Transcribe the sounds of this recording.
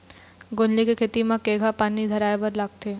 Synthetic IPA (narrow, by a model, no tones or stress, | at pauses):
ɡonlikekʰeːt̪imãkeːɡʱapaːnid̪ʱɐɾaːebɐɾlaːɡ̚t̪eː